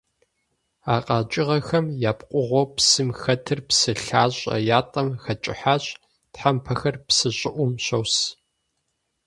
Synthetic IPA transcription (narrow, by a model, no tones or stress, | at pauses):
aːqʼɑːt͡ʃʼɪʁɐxɐmjaːpqʷʼʊʁʷopsɨmxɐtʰɨrpsɨɬaːɕʼɐ̰jaːtʼɐmxɐt͡ʃʼɪ̰ħaːɕʼ | tħampʰɐxɐrpsɨɕʼɪʔʷʊmɕɐws